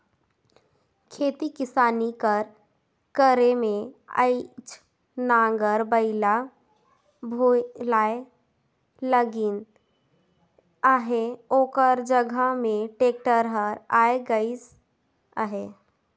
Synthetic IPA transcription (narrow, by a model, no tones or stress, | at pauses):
kʰeːt̪ikɪsaːnikəɾ | kəɾemẽə̰ɪt͡ʃʰ | nãːŋɡəɾbəɪla | bʱolaːe | ləɡɪn | aɦeoːkəɾd͡ʒəɡʱəmẽʈeːk̚ʈəɾɦəɾaːeɡəis | əɦe